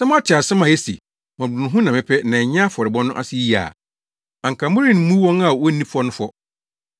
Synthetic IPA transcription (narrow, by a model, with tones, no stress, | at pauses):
sɛ˦mã˦tʰɪ˨a˨sɪ˦mã˨ɛ˦sḭ˨ | mɔ̃˨bʊ̃˨ñ˨ɦʊ̃˦nã˨mɪ̃˦pʰɛ˦nã˨ɲ˦ã˦fɔ˨ɾɪ˨bɔ̃˦nʊ̃˦ʔa̰˦sɪ˦ji˦a̰˨ | ã˨ŋ̩˨kʰa˨mʊ̃˦ɾĩ˦n˦mũ˦wɔ̃˦na˨wɔ˦nĩ˦fɔ˦nʊ̃˦fɔ˦